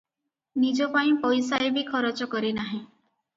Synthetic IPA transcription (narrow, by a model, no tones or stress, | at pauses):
nid͡ʒɔpaĩpɔjsaebikʰɔɾɔt͡ʃɔkɔɾinaɦĩ